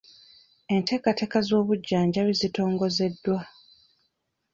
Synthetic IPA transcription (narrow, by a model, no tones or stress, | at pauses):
e̞nte̞ːkate̞ːkazo̞ːβuɟːaːɲɟaβizito̞ːŋɡo̞ze̞dːwa